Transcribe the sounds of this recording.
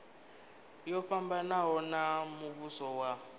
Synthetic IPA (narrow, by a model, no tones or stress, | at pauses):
jɔfambanaɦɔnamuβusɔwa